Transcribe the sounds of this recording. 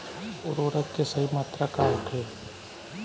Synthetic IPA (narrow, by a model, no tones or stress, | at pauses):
ʊɾoːɾət̪kesɐɦimaːt̪ɾakaːlʈʰeː